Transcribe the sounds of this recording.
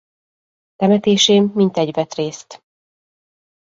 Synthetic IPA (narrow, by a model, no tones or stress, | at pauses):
t̪ɛmɛt̪eːʃeːmːint̪ɛɟvɛt̪reːst̪